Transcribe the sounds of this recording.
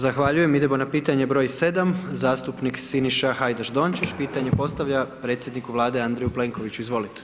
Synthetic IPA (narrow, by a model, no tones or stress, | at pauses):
zaxʋaʎuje̞mid̪emonapiːt̪aɲe̞bɾo̞ːjse̞d̪amzaːst̪upniksiniʃaxajd̪aʒd̪o̞nt͡ʃit͡ɕpiːt̪aɲe̞po̞st̪aʋʎapɾe̞t̪sjed̪nikuʋlˠaːd̪e̞and̪ɾejuple̞ːŋko̞ʋit͡ɕuizʋo̞lit̪e̥